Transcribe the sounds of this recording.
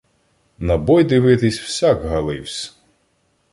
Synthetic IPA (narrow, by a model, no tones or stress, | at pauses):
nɐbɔjd̪ɪʋɪt̪ɪsʲw̥sʲakɦɐlˠɪwsʲ